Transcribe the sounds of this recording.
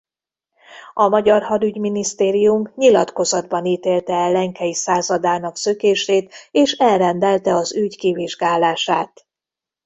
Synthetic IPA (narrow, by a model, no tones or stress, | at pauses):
ɒmɒɟɒrhɒd̪yɟminist̪eːɾijumɲilɒt̪ko̞zɒd̪bɒniːt̪eːlt̪ɛɛlːɛŋkɛjisaːzɒd̪aːnɒksøkeːʃeːt̪eːʃɛlrɛnd̪ɛlt̪ɛɒzyɟkiviʒɡaːlaːʃaːt̪